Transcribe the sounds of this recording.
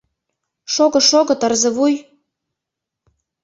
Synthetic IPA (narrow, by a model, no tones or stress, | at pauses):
ʃoɣɤ̆ʃoɣɤ̆t̪ɤrzɤ̆βuj